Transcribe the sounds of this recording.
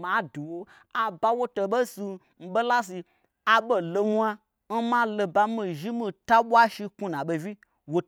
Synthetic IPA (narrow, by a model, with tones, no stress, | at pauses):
ma˨˦du˨wo˧ | a˨ba˧wo˦to˧ɓe˦si˧ | m̩˦ɓe˦la˦s̬i˧ | a˨ɓo˧lo˧nʷ˦a˦ | n̩˦ma˦lo˧ba˧mĩ˧ʒi˦mi˧ta˦ɓʷa˦ʃi˧kũ˦˧nã˨ɓe˧vi˦ | wo˧